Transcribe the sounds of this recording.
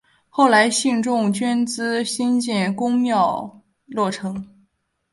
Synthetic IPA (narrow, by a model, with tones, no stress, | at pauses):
xo˥˩ʊla˧˥ɪɕi˥˧nʈ͡ʂʊ˥˧ŋt͡ɕɥɛ˥nt͡sɹ̩˥ɕi˥nt͡ɕjɛ˥˩nkʊ˥ŋmjɑ˥˧ʊ | lwɔ˥˩ʈ͡ʂʰɤ˧˥ŋ